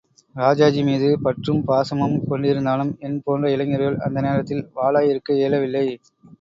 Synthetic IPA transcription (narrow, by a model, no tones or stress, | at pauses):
ɾaːd͡ʒaːd͡ʒimiːðɯpɐʈrɯmpaːsɐmɐmkɔɳɖɪɾɯnd̪aːlɯmɛnpoːndrɐɪɭɐŋɐɾɐjɐɭɐ̰nd̪ɐneːɾɐt̪ːɪlʋaːɭaːjɪɾɯkːɐeːlɐʋɪlːɐɪ